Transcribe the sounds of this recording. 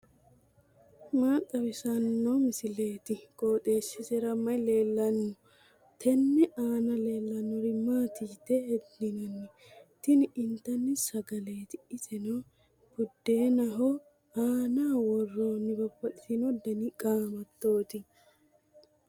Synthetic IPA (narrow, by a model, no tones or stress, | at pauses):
maːt̪ʼːɐwɪsɐnːɔmɪsɪleːt̪ɪkʼoːt̪ʼeːsːɪsɛɾɐmːɐjle̞ːlːɐnːɔ | t̪ʰɛnːɛaːnɐle̞ːlːɐnːɔɾɪmaːt̪iːt̪ːɛɛd̪ɪnɐnːɪ | t̪ɪnɪɪnt̪ːɐnːɪsɐɡɐle̞ːt̪ɪɪsɛnɔ | bʊd̪ːeːnɐɦɔ | aːnaːwɔrːonɪbɐpːɔt̪ʼɪt̪ɪnɔd̪ɐnɪkʼaːmɐt̪ːo̞ːt̪ɪ